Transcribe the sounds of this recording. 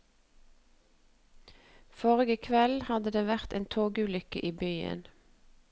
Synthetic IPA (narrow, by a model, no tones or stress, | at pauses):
foːʁɪɡəkʰʋɛlhɑd̪əd̪eːʋæʁt̪ʔeːnt̪ʰoːɡʉːlʏkə̰ʔiːbyːə̰n